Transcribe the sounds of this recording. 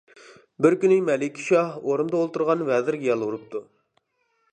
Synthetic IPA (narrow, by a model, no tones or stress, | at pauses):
bɪɾkʲynɪmɛlɪkʲʰːi̥ʃɑhoɾund̪ɑolˠt̪uɾʁɑnvɛzɪɾɡʲɛjɛlˠuɾup̚t̪ʰu